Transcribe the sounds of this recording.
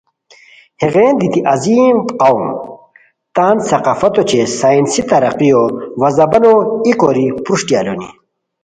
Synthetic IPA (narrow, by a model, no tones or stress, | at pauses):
heʁeːnd̪it̪iʔɐziːmqawm | t̪aːnsɐqaːfɐt̪ot͡ɕesaːinsit̪ɐɾɐqijowɐzɐbɐnoikoɾipɾuʂʈjaːlonḭ